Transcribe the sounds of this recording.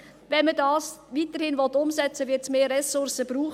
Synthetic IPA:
ʋɛnmədɑːsʋiːtəɾhɪnvɔt̪ːʊmsɛt͡səʋɪɾtsmeːɾɛsʊɾsəb̥ɾuːχ

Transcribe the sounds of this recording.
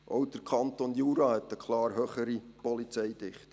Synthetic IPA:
ʔowd̥̪əɾkʰɑnt̪onjuːɾɑːhɛt̪əkʰlɑːɾɦøχəɾipɔlit͡sɛjd̥̪ɪχt

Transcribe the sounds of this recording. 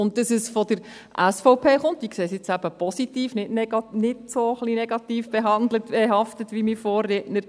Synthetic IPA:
ʊnt̚dəsəsfɔdəɾ | ʔæsfɔʊpʰeːχʊnt̚d̥ikseːsɪt͡sæb̥əpɔsitiːfnɪtnɛɡɑnɪtsoχlinɛɡ̥ɑtiːfb̥ɛɦɑndlətbɛɦɑftətʋimifɔːrːeːtnəɾ

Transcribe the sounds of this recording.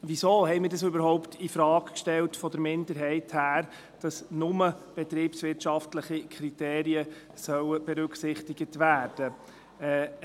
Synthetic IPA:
ʋisoːhɛɪmɪːɾdɑsøbəɾɦɔʊptifɾɑːkkʃtɛltfɔdəɾmɪndəɾɦɛɪthæːɾ | d̥ɑsnʊməb̥ɛt̪ɾiːpsʋɪɾtʃɑftləχikʰɾiteːɾiə | sœwəb̥ɛɾɵksɪχtɪɡətʋæːɾd̥ə | ɛ

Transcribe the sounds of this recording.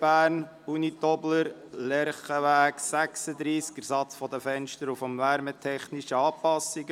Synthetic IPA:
b̥æːɾn | unit̪ɔbləɾ | lɛɾχəʋæːksæksəd̪ɾiːskəɾsɑt͡sfɔd̪əfɛnʃtəɾufəmvæɾmət̪ʰɛχniʃəɑːpɑsiɡ

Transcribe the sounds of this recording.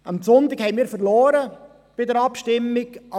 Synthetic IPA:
ɑmsʊnt̪ɪkhɛɪnmiːɾfəɾlɔːɾə | b̥ɪdəɾɑpʃtɪmːɪɡʔɑ

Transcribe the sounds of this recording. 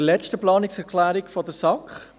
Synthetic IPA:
lɛt͡ʃtəplɑːnɪksɛɾkʰlæːɾɪkfɔdəsɑkχ

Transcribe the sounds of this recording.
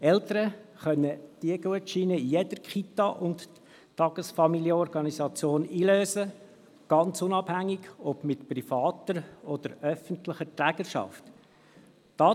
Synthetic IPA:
ɛlt̪əɾəχœnːəd̥iəɡuətʃinəjɛd̥əɾkχit̪ɑʔʊnt | tɑɡ̥əsfɑmiljəɔɾɡɑnisɑt͡sjoːniːløːsə | ɡ̥ɑnt͡sʊnɑbhæŋːɪɡ̥ɔb̥mɪtpɾifɑːt̪əɾɔd̪̥əɾœfəntlɪχətɾæɡ̥əʃɑ̰ft | d̥ɑː

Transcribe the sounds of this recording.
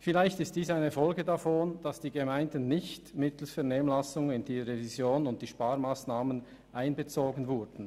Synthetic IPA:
fɪlaɪçtɪstd̥iːsaɪnəfɔlɡədafoːnd̥ɑsd̥iːɡəmaɪndən̩ːɪçtmɪtl̩sfɛɐneːməmlasʊŋɪnd̥iːʁevizjoːnʊnt̚d̥iːʃpaːɾmaːsnaːmən | ʔaɪnbət͡soːɡən̩vʊɾd̥n̩

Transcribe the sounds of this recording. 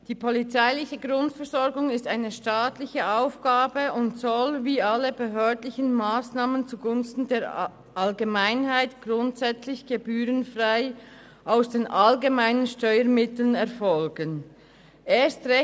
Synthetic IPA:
d̥iːpʰɔlit͡saɪlɪçəɡʁʊntfɛɐzɔɾɡʊŋɪstaɪnəʃtaːtlɪçəʔaʊfɡ̥aːbəʊntsɔlviːaləbəɦøːɐdlɪçənmaːsnaːmənt͡suɡʊnstn̩deːɾ | ʔalɡemaɪnhaɪtɡ̥ʁʊntsɛt͡slɪçɡ̥ebyːʁənfʁaɪ | ʔaʊsd̥eːnʔalɡemaɪnənʃtɔʏəɾmɪtl̩ənɛɐʁfɔlɡən | ʔeːstʁɛ

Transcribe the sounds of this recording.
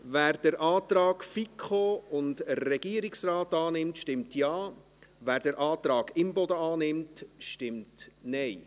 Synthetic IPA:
væːɾd̥əɾʔɑːt̪ɾɑːɡ̥fikʰχoʊndəːɛɡ̥iəɾiksrɑːtɑːnɪmtʃtɪmtjɑː | ʋæːɾdəɾʔɑːt̪ɾɑːɡɪmbɔd̪əɑːnɪmtʃtɪmtnɛɪ

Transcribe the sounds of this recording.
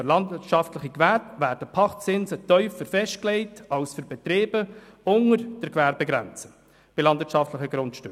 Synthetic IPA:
lɑndvɪtʃɑftləχikvæːpvæːɾdəpʰɑχt͡sɪnzətœʏfəɾfɛʃt̚klɛɪtɑlsfyɾbɛt̪ɾeːbəʊŋəɾd̥əɾkvæɾbɛɡɾɛ̰nt͡sə̥ | b̥ɪlɑndvɪt͡ʃʃɑftləχəɡɾʊntʃtø

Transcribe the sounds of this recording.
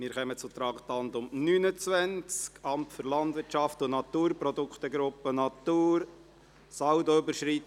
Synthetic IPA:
mɪːɾχœmət͡sʊt̪ɾɑːkt̪ɑnd̪ʊmnynət͡sʋænt͡skɑmtfʏɾlɑnd̪vɪtʃɑft̪ʊnɑt̪uːɾprɔd̪ʊkχt̪əɡɾʊpːənɑt̪uːɾ | sɑwd̪oʏbəɾʃrit

